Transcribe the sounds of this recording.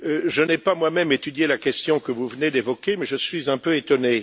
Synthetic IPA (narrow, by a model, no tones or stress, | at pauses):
ʒənɛpamwamɛmet̪yd̪jelakʲɛst̪jɔ̃kəvuvəned̪evɔkʲemɛʒəsɥizɛ̃pøet̪ɔne